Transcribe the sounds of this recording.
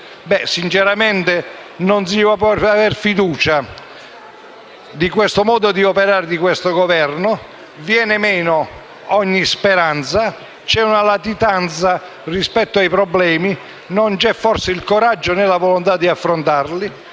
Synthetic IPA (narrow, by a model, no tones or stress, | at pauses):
bɛsint͡ʃɛɾamɛnt̪ɪ | nɔnsiapɔavɛrfid̪uːt͡ʃa | d̪ikwɛst̪ʊmɔːd̪ʊd̪iɔpɛɾaːɾɪd̪ikwɛst̪oɡɔvɛrnʊ | vjɛːnɪmɛːnʊ | ɔɲːispɛɾant̪sa | t͡ʃɛunalat̪it̪ant̪sa | rispɛt̪ːoajpɾɔblɛːmi | nont͡ʃɛfːɔrsɪilkɔɾad͡ʒːʊnɛlavɔlont̪ad̪ːiafːɾont̪arli